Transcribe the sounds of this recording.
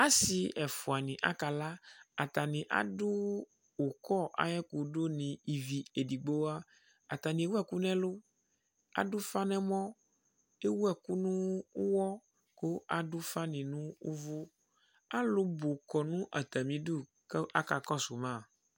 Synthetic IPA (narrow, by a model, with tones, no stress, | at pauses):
a˦si˨ɛ˨fu˨a˨nĩ˨ʔa̰˦ka˨la˦a˨t̪a˨nĩ˨ʔa̰˦du˦ | wo˨kɔ˦˨ʔa̰˦ɲɛ̃˦ko˨ɖo˦nĩ˨i˨vi˨e˨di˨ɡ͡bo˦a˦ | a̰˨t̪a˨nĩ˨˦wu˦ɛ˨ku˦nɛ̃˦lo˦ | a̰˦du˦fa˦nɛ̃˦mɔ̃˦ | e˦wu˦ɛ˦ku˦nũ˦wɔ˦ | ko˦a˨ɖu˦fa˦nĩ˨nũ˦ṵ˦vo˦ | a˦lo˦bo˨kɔ˨nũ˦ʔa˨t̪a˨mĩ˨du˦˨ | ka˦ka˨kɔ˦so˨mã˦˨